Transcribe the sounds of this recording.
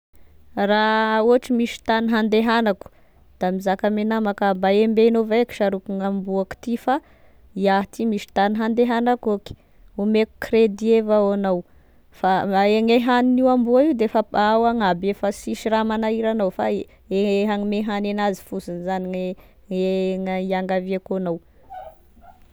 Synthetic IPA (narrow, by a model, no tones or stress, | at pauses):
rauaʈ͡ʂimiʃi̥t̪aniɦand̪eɦanaku̥ | d̪̥amizakamenamakambaembenoveki̥ʃaɾukuŋambuaku̥t̪ifa | iaɦt̪imiʃi̥t̪aniɦand̪eɦanakoki̥ | umeku̥kred̪ievaoanaw | faeŋeɦaniniwambuaiwd̪efaawaŋabefasiʃiɾamanaiɾanawfa | eɦaŋimeɦanenazi̥fusinizaniŋ | eŋiaŋɡaviakonaw